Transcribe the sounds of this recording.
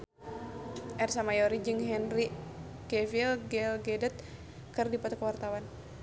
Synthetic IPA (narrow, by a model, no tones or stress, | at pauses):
ʔɛrsamajɔɾid͡ʒɨŋɦɛnri | kɛvilɡɛlɡɛdɛt̪̚ | kɨrdipat̪ukwart̪awan